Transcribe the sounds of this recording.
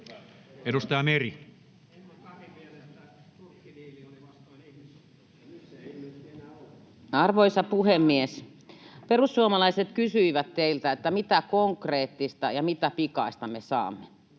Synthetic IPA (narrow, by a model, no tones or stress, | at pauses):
edust̪ɑjɑmeri | ɑrʋoisɑpuhemːies | perusːuomɑlɑiset̪kysyiʋæt̪t̪eilt̪æet̪ːæmit̪ækoŋkreːt̪ːist̪ɑjɑmit̪æpikɑist̪ɑmesɑ̰ːmːe